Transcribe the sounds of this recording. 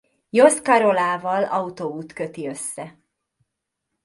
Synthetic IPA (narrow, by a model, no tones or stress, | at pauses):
jo̞skɒɾo̞laːvɒlɒut̪ouːt̪kø̞t̪iø̞sːɛ